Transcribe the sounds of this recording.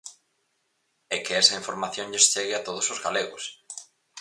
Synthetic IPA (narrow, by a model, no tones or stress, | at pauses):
ɛkeɛsɐiɱfoɾmaθjõŋʎest͡ʃeɣɪat̪oð̞ʊsozɣaleɣos